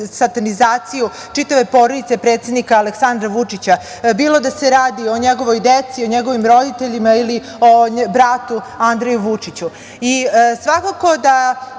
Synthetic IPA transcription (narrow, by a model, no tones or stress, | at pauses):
sat̪anizaːt̪siju | t͡ʃit̪aʋe̞po̞ɾod̪it̪se̞pɾet̪sed̪nikaːleksand̪ɾaʋut͡ʂit͡ɕa | biːlˠo̞d̪aseɾaːd̪io̞ɲeɡo̞ʋo̞jd̪et̪sio̞ɲeɡo̞ʋimɾo̞d̪it̪eʎimaili | o̞bɾat̪uand̪ɾejuʋut͡ʂit͡ɕu | isʋakako̞d̪a